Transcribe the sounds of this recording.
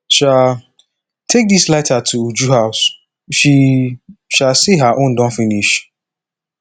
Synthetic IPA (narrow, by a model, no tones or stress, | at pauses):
ʃa | tʰek̚dislatatʰuud͡ʒuɦaʊs | ʃi | ʃalsiɦaʔõndɔ̃nfĩniʃ